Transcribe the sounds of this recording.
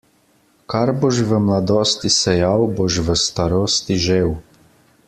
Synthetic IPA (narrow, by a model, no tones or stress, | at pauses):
kaɾboʃʋəmlad̪oːst̪isɛjawboʃʋəst̪aɾoːst̪iʒew